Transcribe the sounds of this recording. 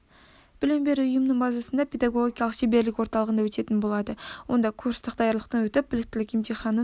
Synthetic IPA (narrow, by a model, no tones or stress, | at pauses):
b̥ɪlɪmbe̞ɾuʊjəmnəɴbɑzɑsənd̪ɑpʰʲe̞d̪ɑɡo̞ɡʲiijɑlˠəqʃebe̞ɾlɪkʲwo̞ɾt̪ɑlˠəʁənd̪ɑwɵt̪e̞t̪ɪnbo̞lˠɑd̪əwo̞̰nd̪ɑkʰuɾst̪ɪq̚d̪ɑjɑɾlˠəq̚t̪ɑnwɵt̪ɪp̚b̥ɪlɪk̚ʲt̪ɪlɪkʲemt̪ʰeχɑnə